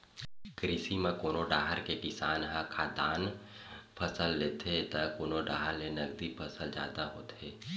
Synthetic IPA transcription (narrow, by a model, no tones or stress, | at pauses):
kɾɪsimẽkoːnoɖaːɦəɾkekɪsaːnɦãkʰaːd̪aːn | pʰəsəlːeːt̪et̪akoːnoɖaːɦəɾlenɐɡ̚d̪ipʰəsəld͡ʒja̰ːd̪aɦoːt̪eː